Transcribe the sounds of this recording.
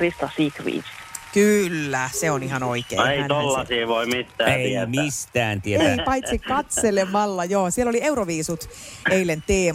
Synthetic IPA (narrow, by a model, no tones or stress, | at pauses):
rist̪ɑsiːkʋḭːs | kylːæseonihɑnoikḛːeit̪olːɑsiːʋoimit̪ːæeimist̪æːnt̪ieeæipɑit̪sikkɑt̪selemɑlːɑjoːsielːoliewɾoʋiːsut̪eilent̪eː